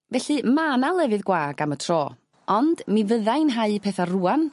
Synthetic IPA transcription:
vɛɬɨmaːnalˠɛvɨðɡwaːɡamətʰrɔː | ɔnd̥mivəðajnɦaɨpʰɛθaruːan

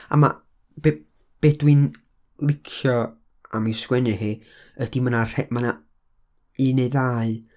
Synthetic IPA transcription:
a̰ma̰ | b̥e | b̥edwɪn | lˠɪkʰjɔ | amiskwɛnɨhi | əd̥imənar̥ɛmana | ineðaːɨ

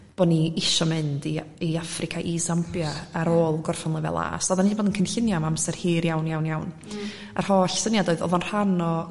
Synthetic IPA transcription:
b̥ɔːniɪʃɔmɨndiiafrɪkʰaʔisampjaaɾoːlˠɡɔrfɔnlˠəvɛ̰lˠa̰ːsaðaniːboːdənkʰənɬɪnjamaamsɛrhiːɾjawnjawnjawn | a̰r̥hɔːɬsənjadoːɨðɔ̰ðɔnr̥anɔ

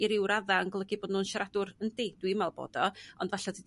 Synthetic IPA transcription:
iɾɪwɾaðaŋɡlˠəɡiboːdnuːnʃaɾadʊɾəndid̥wimalˠb̥o̰ːd̥ɔɔndvaɬadi

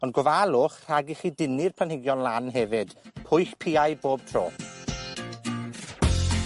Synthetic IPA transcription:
ɔndɡɔvalˠʊχr̥aɡiχiːdɪnɪrpʰlənhɪɡjɔnlˠanɦɛvɨd̥pʰʊjɬpʰiːajboːb̥̚tʰro̰ː

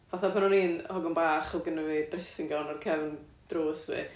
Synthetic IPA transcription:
vaθapʰanɔniːnhɔɡɔnbaːχɔɡənəvidrɪsɪŋɡɔnɔrkʰɛvn | d̥roːsvḭ

